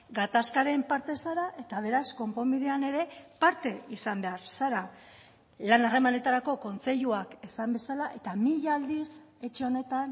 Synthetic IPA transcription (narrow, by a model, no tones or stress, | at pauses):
ɡat̪askaɾe̞mpaɾt̪e̞saɾaʔe̞t̪aβ̞e̞ɾasko̞mpo̞miðe̞ane̞ɾe̞paɾt̪e̞isambe̞aɾsaɾa | lanare̞mane̞t̪aɾako̞ko̞nt͡se̞ʎuakesambe̞salaʔe̞t̪amiʎald̪ise̞t͡ʃe̞o̞ne̞t̪an